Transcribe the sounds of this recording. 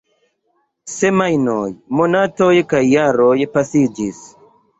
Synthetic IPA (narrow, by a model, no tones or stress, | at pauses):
semajnojmonatojkajːaɾojpasid͡ʒis